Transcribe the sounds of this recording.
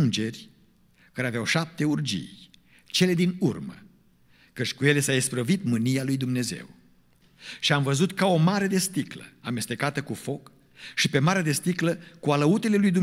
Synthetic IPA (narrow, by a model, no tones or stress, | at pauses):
nd͡ʒe̞rʲ | kaɾeaveawʃap̚t̪e̞urd͡ʒḭj | t͡ʃe̞le̞d̪inurmə̰ | kət͡ʃʲkuje̞le̞saispɾəvit̪mɨnijalujd̪umne̞ze̞̰w | ʃiamvəzut̪kao̞maɾe̞d̪e̞st̪iklə̰amest̪e̞kat̪əkufo̞k | ʃipe̞maɾed̪e̞st̪ikləkualəut̪e̞le̞lujd̪um